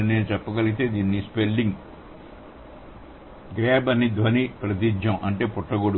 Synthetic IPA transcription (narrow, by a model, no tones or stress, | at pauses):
neːnut͡ʃɛpːɐɡɐlit̪e̞ːd̪iːnːispelɖiŋɡ | ɡɾɛːbɐnːid̪ʋɐnipɾɐt̪̬id͡ʒɐmʔɐɳʈe̞ːpuʈːɐɡoːɽu